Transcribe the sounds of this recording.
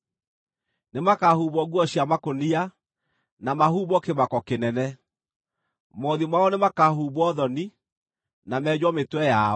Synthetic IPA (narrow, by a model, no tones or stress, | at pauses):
nemakahuβɔɣwɔɕjamakonia | namahuβɔkemakɔkenɛnɛ | mɔðimwaɔnemakaɦuːβɔðɔni | namɛːd͡ʑwɔmetwɛja